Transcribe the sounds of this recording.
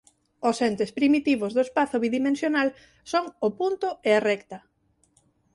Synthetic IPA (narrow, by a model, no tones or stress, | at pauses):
osɛnt̪espɾimit̪iβozðoespaθʊβiðimẽnsjonal | soŋʊpunt̪ʊearɛkt̪ɐ